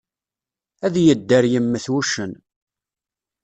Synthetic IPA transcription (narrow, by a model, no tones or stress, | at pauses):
æðjəd̪ːəɾjəmːəθwuʃən